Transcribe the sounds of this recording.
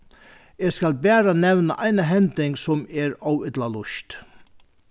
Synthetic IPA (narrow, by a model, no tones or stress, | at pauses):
eːskalbæːɾanɛʋnə̰ʔajnəɦɛnt̪ɪŋksɔmɛːɹawɪt̪lalʊʃt̪